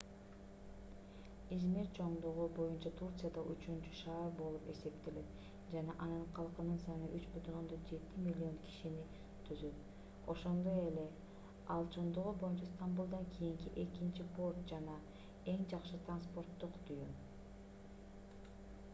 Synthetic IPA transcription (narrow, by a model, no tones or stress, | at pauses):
izmeɾt͡ʃʰo̞ɴd̪uʁubo̞junt͡ʃɑt̪ʰurt̪sɨjad̪ɑʔyt͡ʃynt͡ʃyʃɑːɾbo̞lˠupe̞se̞pt̪e̞le̞t̪ | d͡ʒɑnɑʔɑnɯnqʰɑlˠqɯnɯnsɑnɯʔyt͡ʃbyt̪ʰyno̞nd̪o̞nd͡ʒe̞t̪imʲilʲːio̞ŋkʰi̥ʃini | t̪ʰyzyt̪ | o̞ʃo̞nd̪o̞e̞le̞ | ɑlˠt͡ʃʰo̞ɴd̪uʁubo̞junt͡ʃɑst̪ambulˠd̪ɑŋkʲʰijiŋkiʔe̞kint͡ʃipʰo̞rt̪̚d͡ʒɑnɑ | e̞ŋd͡ʒɑqʃɯt̪ranspo̞rt̪ːuqt̪ʰujym